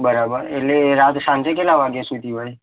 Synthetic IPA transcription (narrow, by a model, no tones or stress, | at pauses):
bəɾabəɾeleɾat̪sãnt͡ʃekelaʋaɡesut̪ibai